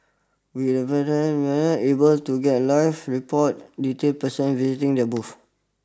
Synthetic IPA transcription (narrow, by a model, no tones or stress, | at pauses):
widəpɛdə̃nwɛnɔʔebəltuɡɛt̚laɪfɹipɔt̚ditelpəsə̃nvizitĩŋdəbuf